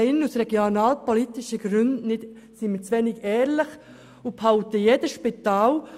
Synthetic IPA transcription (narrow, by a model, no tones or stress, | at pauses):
ɪnusɾɛɡ̥jonɑːlpɔlitɪʃəɡɾʏndnɪd | simit͡sʋɛnɪɡɛːɾlɪχ | ʊphaʊtəjed̥əʃpit̪ɑːl